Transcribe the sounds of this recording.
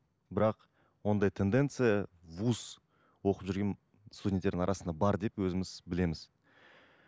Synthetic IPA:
bɪɾɑq | wo̞nd̪ɑjt̪ʰe̞nd̪e̞nt̪sɨjɑvus | wo̞qəpʒʏɾɡʲen | st̪ud̪ʲet̪e̞ɾd̪ɪŋɑɾɑsənd̪ɑbɑɾd̪e̞pwɵzɪmɪzbɪle̞mɪz̥

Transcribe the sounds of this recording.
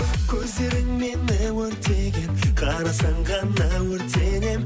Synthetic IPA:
kʲʰɵzd̪e̞ɾɪŋmenɪwɵɾt̪eɡʲenqʰɑɾɑsɑɴʁɑnːɑwɵɾt̪ene̞m

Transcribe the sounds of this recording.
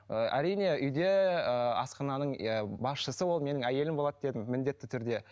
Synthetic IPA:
əʔæ̰ɾijne̞ʔʏjd̪e̞əɑ̰sqɑnɑnəɴəbɑsʃəsəwo̞lˠme̞nɪŋæje̞lɪmbo̞lˠɑd̪d̪e̞d̪ɪmːɪnd̪e̞t̪ːɪt̪ʰʏɾd̪e̞

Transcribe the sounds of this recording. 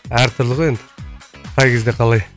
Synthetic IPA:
æɾt̪ʰʊɾlˠəʁoend̪ɪt̪ʰɑjɡʲɪzd̪eqʰɑlˠɑj

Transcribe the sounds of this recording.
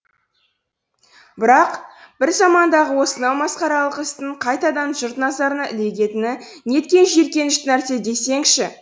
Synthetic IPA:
bɪɾɑqb̥ɪɾzɑmɑnd̪ɑʁəwo̞sənɑwmɑsqɑɾɑlˠəqɪst̪ɪɴqʰɑjt̪ɑd̪ɑnʒʊɾt̪nɑzɑɾənəʔɪ̰le̞ɡʲe̞t̪ɪnɪne̞t̪kʲe̞nʒe̞ɾkʲe̞nɪʃt̪ɪnæɾse̞d̪e̞se̞ŋʃɪ

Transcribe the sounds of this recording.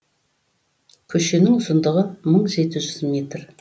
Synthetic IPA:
kʲʰɵʃenɪŋʊsənd̪əʁəməɴʒe̞t̪ɪʒʏzmʲe̞t̪r

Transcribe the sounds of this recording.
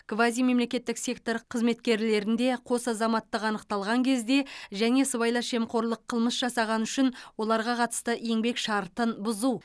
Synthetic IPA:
ɡ̥vazʲijme̞mle̞kʲe̞t̪ːɪksʲe̞kt̪o̞ɾqʰəzme̞t̪kʲe̞ɾle̞ɾɪnd̪e̞qʰo̞sɑzɑmɑt̪ːəqɑnəqt̪ɑlˠʁɑŋkʲʰe̞zd̪e̞ʒæne̞səβɑjlˠɑʃe̞mqʰo̞ɾlˠəqʰːəlˠməsʒɑsɑʁɑnʏʃɪnwo̞lˠɑɾʁɑqʰɑt̪ə̥st̪əʔe̞ŋbe̞kʃɑɾt̪ənbʊzuw

